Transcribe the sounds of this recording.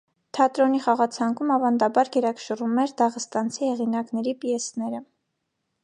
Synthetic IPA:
t̪ʰɑt̪ɾɔniχɑʁɑt͡sʰɑŋkʰumɑvɑnd̪ɑbɑɾɡɛɾɑkʰʃərumɛɾd̪ɑʁəst̪ɑnt͡sʰihɛʁinɑknɛɾipjɛsnɛɾə

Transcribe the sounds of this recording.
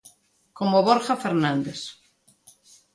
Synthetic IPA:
komoβoɾxafeɾnãnd̪es

